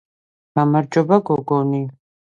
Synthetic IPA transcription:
ɡ̥amaɾd͡ʒɔbaɡɔɡɔni

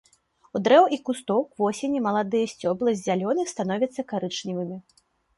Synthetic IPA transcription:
ud̪ɾɛwikust̪ɔwkvɔsʲenʲimɐlˠad̪ɨjɐsʲt͡sʲɔblˠɐzʲalʲɔnɨst̪anɔvʲɐt̪sːɐkaɾɨt͡ʂnʲivɨmʲi

